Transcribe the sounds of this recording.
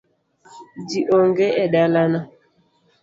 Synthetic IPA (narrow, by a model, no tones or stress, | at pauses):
diʔɔŋɡɛɛɗalana